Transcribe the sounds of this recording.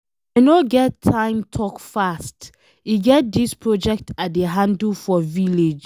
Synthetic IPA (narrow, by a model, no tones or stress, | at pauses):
noɡɛtʰːãɪ̃mtʰɔkfast | iɡɛt̚dispʰɹɔd͡ʒɛk̚tʰat̚deɦãndəlfɔviled͡ʒ